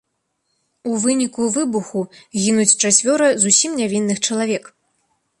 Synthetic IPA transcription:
uvɨnʲikuvɨbuxuɣʲinut͡sʲt͡ʂat͡sʲvʲɔɾɨzusʲimnʲavʲinːɨxt͡ʂɐlˠavʲɛk

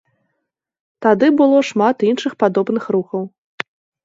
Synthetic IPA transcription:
t̪ad̪ɨbɨlˠɔʂmat̪inʂɨxpad̪ɔbnɨxɾuxɐw

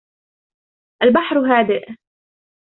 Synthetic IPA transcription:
ʔalbaħɾɦaːd̪ɪʔ

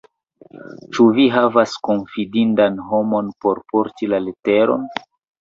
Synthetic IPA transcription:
t͡ʃuviɦavasko̞nfidindanɦo̞mo̞npo̞ɾpo̞ɾtilalete̞ɾo̞̰n

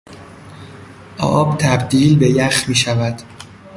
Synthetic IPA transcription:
ʔɒ̰ːbt̪ʰæbd̪iːlbe̞jæxmiːʃævæd̪̥

